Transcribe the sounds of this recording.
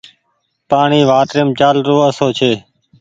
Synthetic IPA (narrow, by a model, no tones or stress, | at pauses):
paːɳiːʋaːʈ̪ɾɪmt͡ʃaːlɾoːəsoːt͡ʃʰeː